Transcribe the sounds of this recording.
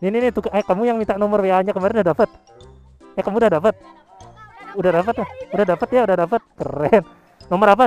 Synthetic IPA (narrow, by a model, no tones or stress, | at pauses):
nininit̪ukaʔakamujaŋmint̪aʔnɔmɔrweaɲakəmaɾɛnudahdapət̪̚ | ɛkamuudahdapət̪̚ | udahdapət̪udahdapət̪jaudahdapət̪̚kə̰rɛn | nɔmɔɾap̬a